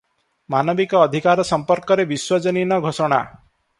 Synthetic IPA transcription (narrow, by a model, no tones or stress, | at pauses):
manɔbikɔːd̪ʱikaɾɔsɔmpɔɾkɔɾebiswɔd͡ʒɔninɔɡʱosɔɽ̃a̰